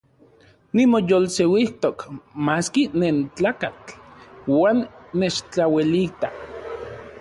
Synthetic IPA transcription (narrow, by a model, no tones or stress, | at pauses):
nimojolsewiht̪okmaskinent͡ɬaːkat͡ɬwaːnːet͡ʃt͡ɬawilit̪a